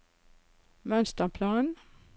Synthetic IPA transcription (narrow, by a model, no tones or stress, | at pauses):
mœnst̪əpʰlɑːn